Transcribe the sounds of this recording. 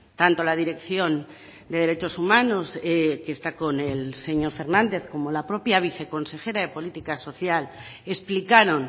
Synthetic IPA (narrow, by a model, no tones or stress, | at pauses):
t̪ant̪o̞lað̞iɾe̞kθjo̞n | d̪e̞ð̞eɾe̞t͡ʃosumãno̞zekeːst̪ako̞nelse̞ɲo̞ɾfe̞ɾnãnd̪e̞θko̞mo̞lapɾo̞pjaβ̞iθe̞konse̞xe̞ɾaðe̞po̞lit̪ikaso̞θjal | e̞splikaɾo̞n